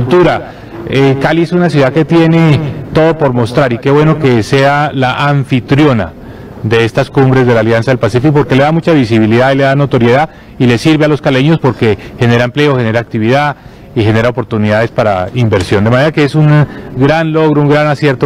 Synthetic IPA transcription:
lt̪uɾa | ekaliesunas̬juðake̞t̪je̞ne̞t̪o̞ðo̞po̞ɾmo̞st̪ɾaɾike̞βwe̞no̞ke̞se̞alaʔaɱfit̪ɾjo̞na̰ | d̪e̞est̪askumbɾe̞zd̪e̞laːljansaðe̞lpasifikopo̞ɾke̞le̞ðamut͡ʃaβisiβiliðaile̞ðanot̪o̞ɾje̞ða | ilesiɾβe̞alo̞skale̞ɲo̞spo̞ɾke̞xe̞ne̞ɾaemple̞oxe̞ne̞ɾaːk̚t̪iβiða | ixe̞ne̞ɾaopo̞ɾt̪uniðaðe̞spaɾaimbe̞ɾsjo̞nd̪e̞mane̞ɾake̞esunɡɾanlo̞ɣɾouŋɡɾanasje̞ɾt̪o

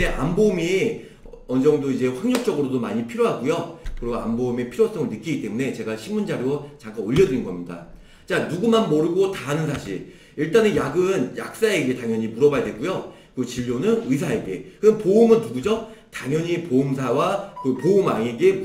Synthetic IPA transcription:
eʔa̰mbomi | ʌnd͡ʑʌŋdoid͡ʑe̞ɸwaŋɲok̚t͡ɕ͈ʌɡɯɾodomaɲipʰiɾjoɦaɡujokɯɾiɡoa̰mboumepʰiɾjos͈ʌŋɯɭnɯk͈iɡit͈e̞mune̞t͡ɕe̞ɡaɕʰinmund͡ʑaɾjoot͡ɕaŋk͈anoʎːʌdinɡʌ̰mɲida̰ | t͡ɕanuɡumanmʌɾɯɡotaɦanɯnsʰaɕʰiɾ | iɭt͈anejaɡɯnja̰k̚s͈aeɡe̞taŋjʌɲimuɾʌbajadwe̞ɡ͈ujo | kɯt͡ɕiʎːonɯnɯs̬ʰae̞ɡe̞kɯʌnpoɯmɯnːuɡud͡ʑotaŋjʌɲipoɯmsʰawakɯpoɯmaŋeɡe̞

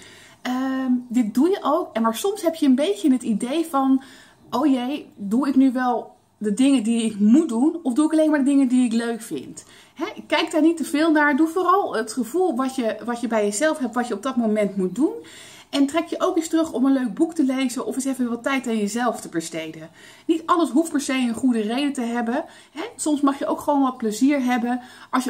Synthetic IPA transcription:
əmdɪt̚dujəʔowkɛnmaːɹsɔmsɦɛpjəənbejtənɦətidejfɑn | ʔowjejduɪknyʋɛlˠ | dədɪŋədiɪkmut̚dunɔfduɪkɑlejnmaːɹdədɪŋəndiɪkløɥkfɪ̰nt | ɦɛɪkːɛjk̚daːɹnitəv̥ɪːlˠnaːɹduvoːrɑlˠətχəv̥ulˠʋɑtjəʋɑtjəbɛjəzɛlˠfɦɛp̚tʋɑtjəɔb̚dɑtmomɛntmut̚dun | ɛntrɛkjəʔowkɪstrɵχɔmənløɥk̚buktəlejzənʔɔfɪsefənʋɑtɛjtanjəzɛlˠftəbəɹstejdən | nitɑndəɹsɦuftpɛɹsejənχudərejdətəɦɛbən | ɦɛsɔmsmɑχjəʔowkχəʋownʋɑt̚pləziːɹɦɛbənʔɑlˠsj

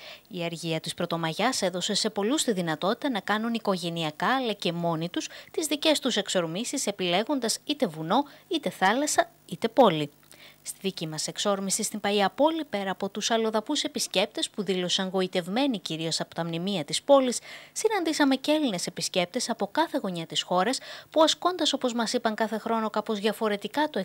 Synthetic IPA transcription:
iɐɾʝiɐt̪ispɾo̞t̪o̞mɐʝɐse̞ðo̞se̞se̞po̞lust̪iðinɐt̪o̞t̪i̥t̪ɐnɐkɐnuniko̞ʝe̞niɐkɐːlɐce̞mo̞nit̪ust̪izðice̞st̪use̞kso̞ɾmisise̞pile̞ɣo̞nd̪ɐsit̪e̞vuno̞it̪e̞θɐlɐsɐ | it̪e̞po̞li | st̪iðicimɐse̞kso̞ɾmisist̪impɐiɐpo̞lipe̞ɾɐːpo̞t̪usɐlo̞ðɐpuse̞pisce̞p̚t̪e̞spuðilo̞sɐŋɣo̞it̪e̞vme̞niciɾio̞sɐpo̞t̪ɐmnimiɐt̪ispo̞lisːinɐnd̪isɐme̞celine̞se̞pisce̞p̚t̪e̞sɐpo̞kɐθe̞ɣo̞ɲɐt̪isxo̞ɾɐspuɐsko̞nd̪ɐso̞po̞zmɐsipɐŋkɐθe̞xɾo̞no̞kɐpo̞zðʝɐfo̞ɾe̞t̪ikɐt̪oe

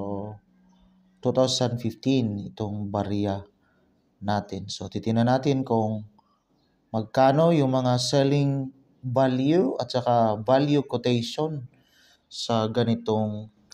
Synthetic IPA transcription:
o | t̪ut̪awsand̪fift̪inɪt̪oŋbaɾja | naːt̪ɪnsot̪it̪ɪnanaːt̪ɪnkʊŋ | mɐɡ̚kaːno̞jʊŋmɐŋasɛlɪŋ | baljuɐt̪sɐkavaljukot̪ɛjʃon | sɐɡɐnɪt̪oŋ

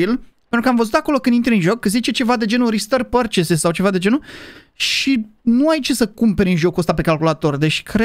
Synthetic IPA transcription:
ilpent̪ɾukəamvəzut̪ako̞lo̞kɨnd̪int̪ɾʲeɨnʒo̞kːəzit͡ʃe̞t͡ʃe̞vad̪e̞d͡ʒe̞nuɾist̪ərpərt͡ʃesesawt͡ʃe̞vad̪e̞d͡ʒe̞nu | ʃinuait͡ʃesəkumpeɾʲɨnʒo̞kuəst̪ape̞kalkulat̪o̞rd̪e̞t͡ʃkɾe

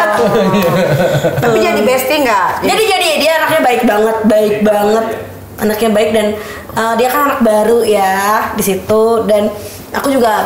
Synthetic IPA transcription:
t̪apid͡ʒadibɛst̪iŋɡaʔd͡ʒadid͡ʒadidiaːnak̚ɲabaɪk̚baŋət̪̚baɪk̚baŋət̪̚ | ʔanakɲabaɪk̚dan | ədiakananak̚baɾujadisit̪udan | akud͡ʒuɡa

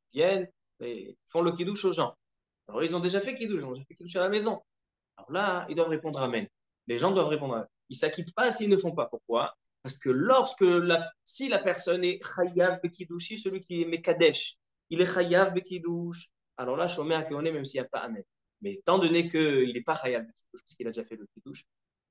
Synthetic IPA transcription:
vjɛn | mɛ̰ifɔ̃lək̬ʲid̪uʃoʒɑ̃ | alɔ̰ʁlailzɔ̃d̪eʒafɛkʲid̪uʃizɔ̃d̪eʒafɛkʲid̪uʃ̬alamezɔ̃ | alɔ̰ʁlaḭld̪wavʁepɔ̃d̪ʁamɛn | leʒɑ̃d̪wavʁepɔ̃d̪ʁamɛ | ilsakʲit̪pasiːlnəfɔ̃papuʁkwa | paʁsə̥kəlɔʁskəlasilapɛʁsɔnɛχajavbəkʲid̪uʃisəlɥikʲiɛmekad̪ɛʃ | ilɛχajavbəkʲid̪uʃ | alɔʁlaʃɔmɛakeonemɛmsilapa̰ʔa̰mɛn | mɛt̪ɑ̃d̪ɔnekəilɛpaχajabb̪əkʲid̪uʃpḁsəkilad̪eʒafɛləkʲid̪uʃ

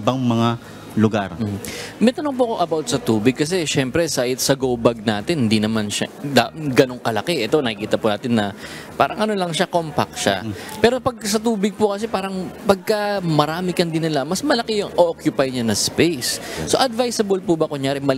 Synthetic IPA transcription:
baŋmɐŋa | lʊɡaɾm̩ːm̩mɛt̪ɐnoŋp̬ʊɐkoʔɐbawt̪̚sɐt̪uːbɪɡ̚kɐs̬ɛʃɛmpɾɛsaʔɪt̪sɐɡowbɐɡ̚naːt̪ɪnhnd̪inɐmanʃɐ̰d̪aɡɐno̞ŋkɐlɐkɛʔɛt̪o̞nɐkɪkiːt̪ɐpʊnaːt̪ɪnːɐ | paːɾɐŋʔɐno̞lɐŋʃakompɐ̰k̚ʃa̰pɛːɾopɐɡ̚sɐt̪uːbɪɡ̚pʊkɐs̬ɛpaːɾɐŋpɐɡ̚kɐmɐɾaːmɪkɐnd̪ɪnɪlamɐsmɐlɐkɛjʊŋʔookjʊpajɲanɐspejsso̞ʔɐd̪vajsɐbɐlpubɐkʊɲjaːɾɪmɐ

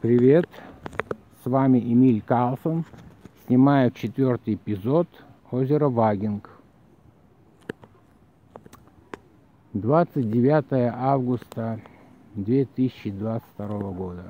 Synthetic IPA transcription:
pɾʲɪvʲe̞t̪ | svamʲɪʔɪmʲilʲkalˠsənsʲnʲɪmajʊt̪t͡ɕɪt̪vʲort̪ɨjpʲɪzot̪ | ozʲɪɾəvaɡʲɪnk | d̪vat̪sɨt̚ʲdʲɪvʲat̪əjəʔavɡʊst̪ə | d̪vʲet̪ɨsʲɪt͡ɕːɪd̪vat̪sɨ̥fʲt̪ɐɾovəɡod̪ə

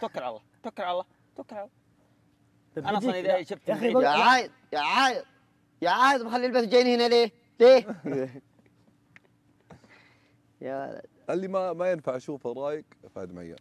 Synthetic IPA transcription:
t̪akːɪɾˤʕallːɑːt̪akːɪɾˤʕallːɑː | t̪akːɾʕalː | ʔannid̪aʃɪb̚t̪aʕaːjɪzˤ | jaʕaːjɪð | jaʕaːjɪðˤbxalːilbasd͡ʒajːnhɪnale | leː | jawa̰la̰d̪ʔalːimamajɪnfaʕʃuːfɑɾˤɑːjɪɡfa̰ʕd̪mʕa̰jːa̰n

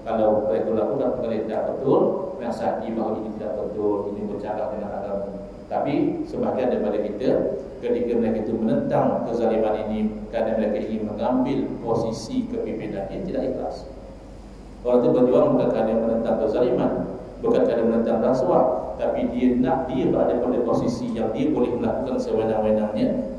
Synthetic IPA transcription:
kalawaɾat̪ulaʔkukakukalat̪idaʔbət̪ʊlənasad͡ʒibakainit̪idaʔbət̪ʊlinibərt͡ʃaɾaʔdəŋana̰ɡamu | t̪apisəbaɦaɡandajpadakit̪ə | kət̪ikəməɾekait̪umənənt̪aŋkəzalimaninikəɾadaməɾekaiŋɪnməŋambɪlposisikəpipinanət̪idaʔik̪la̰s | ʔoɾaŋt̪ubərd͡ʒuaŋbukankadanmənənt̪aŋkərzaliman | bukankɾadanmənənt̪aŋɾaŋsuaʔt̪apidiənaʔdiəbaadəpədəposisijaŋdiəbolɛhməlakukansəwenaŋwenaŋɲə̃

